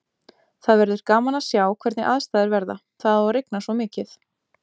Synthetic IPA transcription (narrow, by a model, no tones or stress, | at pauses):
θaðvɛɾðʏɾ̥kaːmanḁsjaːwkʰvɛɾt̪nɪ̰ʔaðst̪aːjðɪɾvɛɾða̰ | θaðareknasvɔmɪːcɪθ